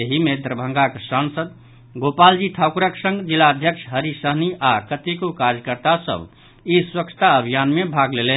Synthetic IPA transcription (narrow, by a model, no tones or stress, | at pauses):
eɦimed̪ɾəbʱə̃ŋɡaksansəd̪ | ɡopald͡ʒiʈʰawkuɾəksə̃ŋɡd͡ʒilːaəd̪ʱjəksʰɦəɾisəɦniʔakət̪ikukaɾjəkəɾt̪asə̰b | iswəkt͡ʃʰt̪aəbʱijanmebʱaɡlelen